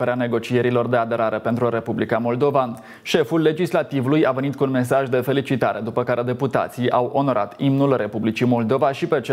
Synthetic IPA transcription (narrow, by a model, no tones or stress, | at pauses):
eɾeane̞ɡo̞t͡ʃije̞ɾilo̞rd̪e̞ad̪e̞ɾaɾe̞pe̞nt̪ɾuɾe̞publikamo̞ld̪o̞van | ʃe̞fulːe̞d͡ʒislat̪ivulujave̞nit̪kuːnme̞s̬aʒd̪e̞fe̞lit͡ʃit̪aɾe̞d̪upəkaɾead̪e̞put̪a̰t̪sijawʔo̞no̞ɾʔa̰t̪imnulre̞publit͡ʃimo̞ld̪o̞vaʃipe̞t͡ʃ